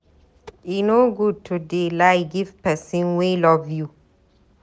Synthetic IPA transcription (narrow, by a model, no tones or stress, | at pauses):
inoɡud̚tʰudelaɪɡivpɛsĩnwelɔvju